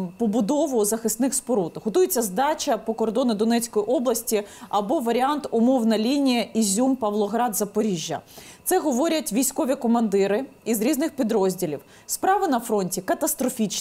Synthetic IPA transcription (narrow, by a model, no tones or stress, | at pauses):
pɔbʊd̪ɔʋʊzɐxɪst̪nɪxspɔɾut̪ɦɔt̪ujet͡sʲːɐzd̪ɑt͡ʃɐpɔkɔrd̪ɔnɪd̪ɔnɛt͡sʲkɔjiʔɔblˠɐsʲtʲiɐbɔʋɐɾʲɪɑnt̪ʊmɔwnɐlʲinʲijɐizʲumpɐʋlˠɔɦɾɑd̪zɐpɔɾʲiʒʲjːɐ̰t̪sɛɦɔʋɔɾʲɐtʲʋʲijsʲkɔʋʲikɔmɐnd̪ɪɾɪizɾʲiznɪxpʲid̪ɾɔzʲdʲilʲiw | spɾɑʋɪnɐfɾɔnʲtʲikɐt̪ɐst̪ɾɔfʲit͡ʃ